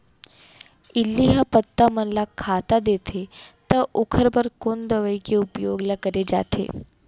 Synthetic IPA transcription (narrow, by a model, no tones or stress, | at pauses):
ilːiɦəpət̪ːam̤ənlakʰat̪ad̪et̪ʰet̪əʔokʰəɾbəɾkond̪əʋəjkeupjoɡlakəɾed͡ʑa̰t̪ʰḛ